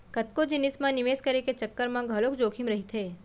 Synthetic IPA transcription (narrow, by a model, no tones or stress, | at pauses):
kɐt̪kod͡ʒɪnɪsmãnɪʋeːskɐɾeket͡ʃɐkːəɾmãɡʱɐloːkd͡ʒoːkʰimɾɐɦit̪ʰeː